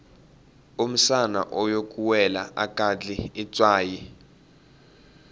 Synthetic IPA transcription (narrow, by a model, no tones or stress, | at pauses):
um̩sana̰ʔɔjok̬ʼuwɛlaakʼad͡ɮiːt͡sʼwaːji